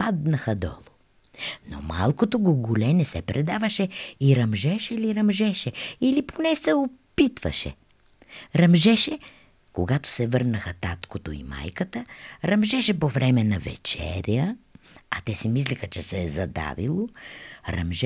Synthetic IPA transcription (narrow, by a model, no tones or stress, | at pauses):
pad̪nəxəd̪ɔ̰lˠo | no̰malˠkot̪oɡoɡulɛnɛsɛpɾɛd̪avəʃɛiɾɐmʒɛʃɛliɾɐmʒɛʃɛiliponɛsɛopit̪vɐ̰ʃɛ̰ | ɾɐmʒɛʃɛ | koɡat̪o̥sɛvɤɾnəxət̪at̪kot̪oḭma̰jkət̪əɾɐmʒɛʃɛpovɾɛmɛnɐvɛ̰t͡ʃɛ̰ɾʲjəɐt̪ɛsɛmislixət͡ʃɛsɛːzɐd̪a̰vḭlˠoɾɐ̰mʒɛ